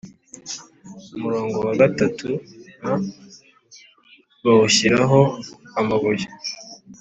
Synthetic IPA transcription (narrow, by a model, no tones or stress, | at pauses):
umuɾo̞ːŋɡo̞waɡatatʰuna | βaβuɕiɾaɦo̞amaβuje̥